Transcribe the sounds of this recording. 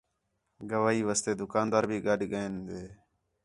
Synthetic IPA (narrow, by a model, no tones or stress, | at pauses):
ɡəʋaːɦiːʋaːst̪eːd̪ʊkaːnd̪aːɾbʱiːɡəɖɡəẽːnd̪eː